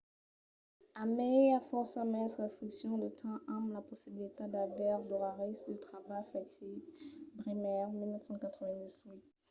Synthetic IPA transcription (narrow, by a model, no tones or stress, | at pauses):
amɛafɔʁsamɛsʁɛst̪χiksjɔ̃d̪ət̪ʰɛ̃ʔãmlapɔsibilit̪ad̪avɛʁd̪ɔʁaʁisd̪ət̪χabafɛt̪ibʁimɛʁmilnəfsɑ̃kat̪χəvɛ̃d̪izwit̪̚